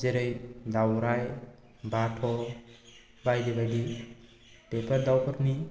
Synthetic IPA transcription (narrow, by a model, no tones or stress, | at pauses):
zeɾɯjd̪awɾaj | baʈʰɔ | bajdebaɡi | pepʰaɾd̪awpʰɔɾni